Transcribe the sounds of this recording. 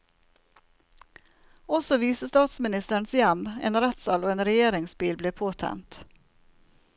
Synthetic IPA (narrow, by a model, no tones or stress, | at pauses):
ɔsɔʋiːsəst̪ɑːt̪smɪnɪst̪əɳsjæmḛːnɾɛt̪sɑloːeːnɾɛjeːɾɪŋsbiːlbleːpʰoːt̪ʰæ̰nt̪